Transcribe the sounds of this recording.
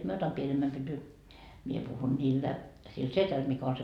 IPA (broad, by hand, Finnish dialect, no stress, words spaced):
mie otɑm pienemːæm pyty mie puhun niːlːæ sil setæl mikæ on se